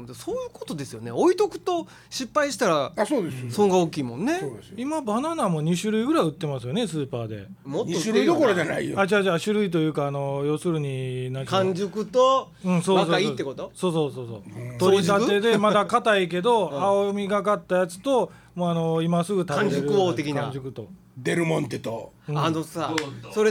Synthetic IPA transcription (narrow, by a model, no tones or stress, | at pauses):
soːjɯ̟ːkot̪o̞d̪e̞sɨjo̞̰ne̞̰o̞it̪o̞kɯ̟̥t̪o̞ | ɕipːaiɕi̥t̪aɾaasoːd̪essoŋɡaokʲiːmõ̞̰nːe̞esimabananamo̞ɲ̟iɕɨɾɯ̟iɡɯ̟ɾaiɯ̟t̪ːe̞masɨjo̞ne̞sɨːpaːd̪e̞̰ | mot̪ːoɾid̪okoɾod̪eana̰ḭoad͡ʑaːʑaːɕɨɾɯ̟it̪o̞jɯ̟ːkaːno̞jo̞ːsɨɾɯ̟ɲ̟inãkãɲd͡ʑɨkɯ̟t̪o | ɯ̟̃ɴso̞ːsait̪ːekot̪oso̞ːsoːso̞ːso̰t̪o̞ɾiase̞d̪e̞mad̪akat̪aike̞d̪o̞aomʲiɡakat̪ːajat͡sɨ̥t̪o̞ | moːano̞imasɨɡɯ̟t̪aãɨɾɯoːekʲinaɲd͡ʑɨkɯt̪o̞̰ | d̪eɾɯmõnt̪et̪o̰ɯ̃anosasoɾe